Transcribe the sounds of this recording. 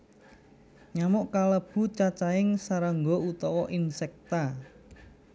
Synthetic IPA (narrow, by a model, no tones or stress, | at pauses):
ɲamʊʔkaləb̥ṳt͡ʃat͡ʃaɪŋsaɾəŋɡout̪ɔwɔʔinsɛk̚t̪a